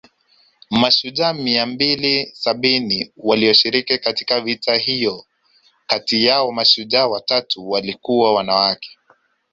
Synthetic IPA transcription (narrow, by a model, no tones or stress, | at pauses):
maʃuʄamiambilisaɓiniwaliɔʃiɾikikatikavitaɦijɔ | katijaɔmaʃuʄawatatuwalikuwawanawakɛ̥